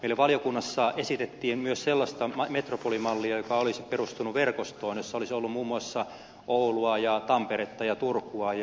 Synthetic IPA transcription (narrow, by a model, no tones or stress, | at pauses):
meilæʋɑljokunːɑsːɑʔesit̪et̪ːiːmmyøsselːɑst̪ɑmet̪ropolimɑlːiɑjokɑolisperust̪unuʋerkost̪oːnjosːɑolisolːummuːmːuɑsːɑ | ʔouluɑjɑt̪ɑmpeɾet̪ːɑjɑt̪urkːuɑj